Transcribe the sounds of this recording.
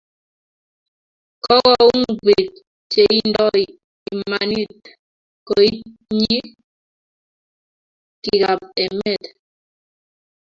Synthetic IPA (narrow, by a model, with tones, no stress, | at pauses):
kɔ˦ɣɔ˦u˦ŋ˨vi˨k̚ | t͡ʃe˨i˦ndɔ˦j | i˨ma˨ni˦˨t̚ | ko˨i˦ɲi˦ | ki˨ka˨p̚ɛ˨mɛ˨t